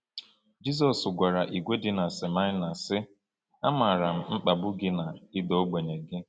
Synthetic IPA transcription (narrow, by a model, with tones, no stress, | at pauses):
d͡ʒi˦zɔ˨sɡʷa˨ɾa˨ʔi˨ɡʷe˦dɪ˦na˨sɪ˨ma˦ɲɪ˦na˨sɪ˦ | a˦ma˨ɾa˨m̩˨ŋ͡m̩˦k͡pa˨bʊ˦ɡɪ˦na˨ɪ˦dɔ˦ɡ͡be˨ɲe˨ɡɪ˦